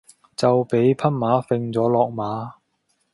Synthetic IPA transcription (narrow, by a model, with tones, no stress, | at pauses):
t͡sɐ˨wpe˨˥jpʰɐ˥n̚maː˨˥fɪ˧ŋt͡sɔː˨˥lɔː˨k̚maː˨˥